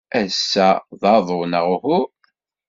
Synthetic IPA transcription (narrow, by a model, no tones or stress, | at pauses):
æsːæðˤɑðˤonəʁhʊ